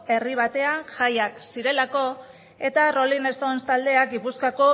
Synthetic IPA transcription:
e̞riβ̞at̪e̞aʝajaksiɾe̞lako̞ | e̞t̪aro̞line̞st̪onst̪ald̪e̞akɡipuskako̞

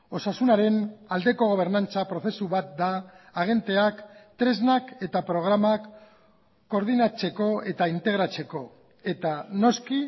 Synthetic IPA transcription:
o̞sasunaɾe̞nald̪e̞ko̞ɣ̞o̞β̞e̞ɾnant͡sapɾo̞θe̞suβat̪̚d̪aːɣ̞e̞nt̪eakt̪ɾe̞znake̞t̪apɾo̞ɣ̞ɾamakː | o̞ɾðinat͡se̞ko̞e̞t̪aint̪e̞ɣ̞ɾat͡se̞ko̞ | e̞t̪ano̞ski

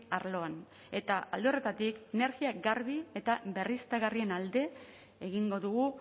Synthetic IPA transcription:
aɾlo̞an | e̞t̪aa̰ld̪ere̞t̪at̪ikene̞ɾɣiaɡaɾβie̞t̪aβe̞rist̪aɣarie̞nald̪e̞ | eɣiŋɡo̞ðuɣu

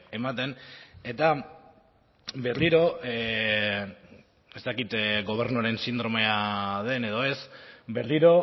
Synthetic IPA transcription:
e̞mat̪e̞ne̞t̪a | be̞ɾðiɾo̞ | e̞st̪akit̪ɣo̞β̞e̞ɾnuaɾe̞nsind̪ɾo̞me̞aðe̞ne̞ðo̞e̞sbe̞ɾðiɾo̞

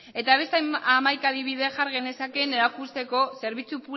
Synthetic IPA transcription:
e̞t̪aβ̞e̞st̪amajkaðiβ̞iðeʝaɾɣe̞ne̞sakene̞ɾakust̪e̞ko̞se̞ɾβit͡supu

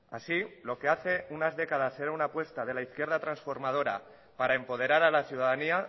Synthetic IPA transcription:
a̰silo̞ke̞aθe̞unazðe̞kað̞ase̞ɾaunapwe̞st̪aðe̞laiθkje̞ɾð̞at̪ɾansfo̞ɾmað̞o̞ɾa̰ | paɾaempo̞ð̞e̞ɾaɾalaθjuðaðania

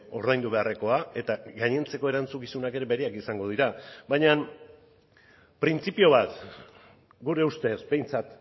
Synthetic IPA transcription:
o̞ɾðajnd̪uβe̞are̞ko̞ae̞t̪aɡaɲe̞nt͡se̞ko̞e̞ɾant͡sukisunake̞ɾe̞βe̞ɾeakisaŋɡo̞ðiɾaβajɲan | pɾint͡sipio̞β̞at̪ | ɡuɾe̞ust̪e̞sbe̞jnt͡sat̪

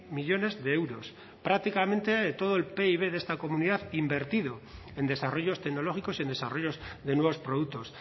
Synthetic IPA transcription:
miʎo̞ne̞zðeewɾo̞s | pɾak̚t̪ikamẽ̞nt̪et̪o̞ð̞oelpe̞iβe̞ðe̞st̪ako̞muniðaðimbe̞ɾt̪ið̞o̞ | e̞nd̪e̞saro̞ʝo̞st̪eɣno̞lo̞xiko̞sie̞ne̞saro̞jo̞zðe̞nwe̞β̞o̞spɾo̞ðuk̚t̪o̞s

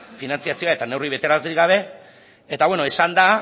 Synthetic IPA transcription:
finant͡siasio̞ae̞t̪ane̞wriβ̞e̞t̪e̞ɾazd̪iiɣaβ̞e̞ | et̪aβweno̞esand̪a

